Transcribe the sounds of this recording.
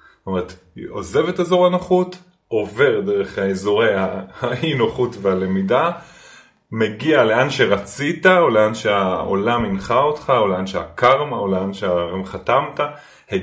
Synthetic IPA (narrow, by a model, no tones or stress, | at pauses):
tomeʁet̪ | o̞ze̞vetazoʁanaχut | o̞ve̞ʁdeʁe̞χhaezoʁe̞jahainoχutveale̞mida | me̞ɡiale̞anʃeʁat͡sitaoleanʃeao̞̰laminχaotχaoleanʃea̰kaʁmaoleanʃeaemχat̪amta | he